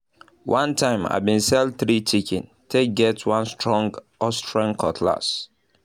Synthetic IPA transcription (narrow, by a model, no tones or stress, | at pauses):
wʔãntʰãɪ̃ma̰ɪbĩnsɛldθɹit͡ʃikḭ̃n | tʰeɡɛtwãnstɹɔ̃ŋɡ | ɔstɹãnkʰɔtʰla̰s